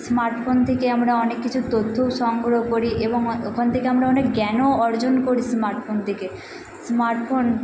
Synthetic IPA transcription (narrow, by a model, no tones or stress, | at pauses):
smaɾʈfʰont̪ʰekeamɾaɔnekːit͡ɕʰut̪ot̪ʰːowʃɔŋɡɾoɦkoɾiʔeboŋokʰont̪ʰekeamɾaɔnekɡɛnoɔɾd͡ʑonkoɾismaɾʈfʰont̪ʰeke | smaɾʈfon